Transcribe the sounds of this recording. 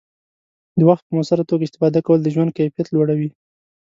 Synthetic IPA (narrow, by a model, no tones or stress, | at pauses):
d̪əwaxt̪̚pəmosaɾat̪oɡaɪst̪ɪ̥fɑd̪akawəld̪əʒwand̪̚kajfijat̪lwaɽawi